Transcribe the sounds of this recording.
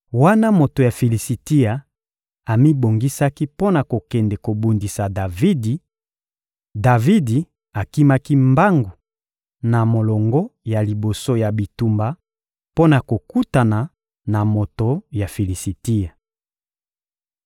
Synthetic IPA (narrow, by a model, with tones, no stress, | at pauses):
wa˦na˦mo˨to˨ja˨fi˨li˨si˨ti˦ja˨ | a˨mi˦bo˨ŋɡi˦sa˦ki˦po˦na˨ko˨kɛ˨ndɛ˨ko˨bu˨ndi˨sa˨da˨vi˦di˨ | da˨vi˦di˨ | a˨ki˦ma˦ki˦mba˦ŋɡu˨ | na˨mo˨lɔ˨ŋɡɔ˦ja˨li˨bo˨so˦ja˨bi˨tu˦mba˦ | po˦na˨ko˨ku˦ta˨na˨ | na˨mo˨to˨ja˨fi˨li˨si˨ti˦ja˨